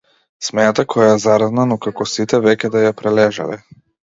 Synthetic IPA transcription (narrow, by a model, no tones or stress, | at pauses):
smɛnat̪akʰɔjajɛzaɾad̪nanɔkakɔsit̪ɛvɛkʲɛd̪ajapɾɛlɛʒa̰lɛ̰